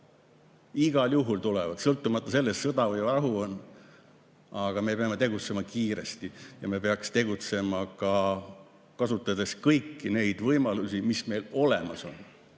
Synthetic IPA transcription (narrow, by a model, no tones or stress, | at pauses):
iɡ̥ɑljuɦult̪ulḛvɑd̪̥sɤlt̪ːˑumɑt̪ˑːɑse̞lːessɤd̪ɑvɯjɑɦuon | ɑɡ̥ɑme̞peɑme̞t̪e̞ɡut̪se̞mɑkiːɾe̞̰st̪ijɑme̞peɑkst̪e̞ɡut̪se̞mɑkɑ | kɑsut̪ːˑɑd̪̥e̞skɤjkːine̞jd̪̥vɤjmɑlusimisme̞jlo̞le̞̰mɑso̞̰n